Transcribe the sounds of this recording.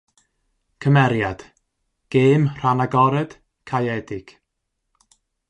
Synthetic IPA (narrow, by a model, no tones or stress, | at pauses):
kʰəmɛɾjad̥ | ɡ̥eːmr̥anaɡɔɾɛd̥ | kʰajɛdɪɡ̥